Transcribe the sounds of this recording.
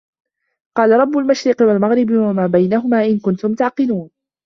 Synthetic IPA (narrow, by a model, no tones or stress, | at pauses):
qɑːlaɾˤɑbːʊlmaʃɾɪqɪwalmaɣɾɪbwamaːbajnaɦʊmaːʔɪnkʊnt̪ʊmt̪aʕqɪluːn